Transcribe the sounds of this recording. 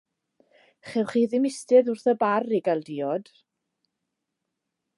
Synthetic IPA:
χɛwχiːðɪmɪstɨðʊrθəbariɡalˠdiːɔd̥

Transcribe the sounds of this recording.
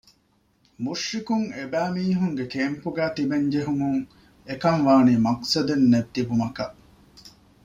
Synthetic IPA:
muʂːikuŋebæːmiːɦuŋɡekeːmpuɡæːt̪ibeɲd͡ʒeɦumuŋ | ekɐŋʋaːniːmɐqsɐd̪enːet̪ibumɐkɐʔ

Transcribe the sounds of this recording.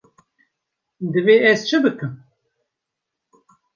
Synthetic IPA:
d̪ɨveːɛzt͡ʃʰɨbɨkɨm

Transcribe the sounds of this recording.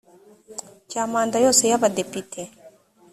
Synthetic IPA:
camaːndajoːsejaβadepitʰe

